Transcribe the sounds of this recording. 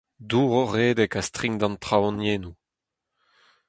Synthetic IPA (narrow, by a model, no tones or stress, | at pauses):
d̪uːʁoʁeːdɛkast̪ʁiŋd̪ɑ̃nt̪χawɔ̃njeːnu